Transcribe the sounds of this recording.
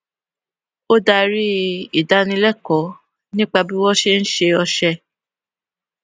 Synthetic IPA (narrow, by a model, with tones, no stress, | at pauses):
o˦da˧ɾi˦i˦˨da˨˦nĩ˧lɛ˦˨kɔ˨˦ | nĩ˦k͡pa˧bi˦wɔ˦ʃe˦n̩˦ʃe˧ɔ˧ʃɛ˧